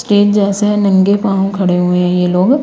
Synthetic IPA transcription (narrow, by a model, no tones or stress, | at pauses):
sʈeːʈ̚d͡ʒɛːseɛ̃nɐ̃ŋɡepãːõkʰɐɽeɦueɦɛ̃jeloːɡ